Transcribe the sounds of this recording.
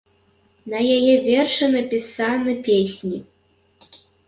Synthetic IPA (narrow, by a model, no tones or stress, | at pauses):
nɐjajɛvʲɛrʂɨnɐpʲisanɨpʲesʲnʲi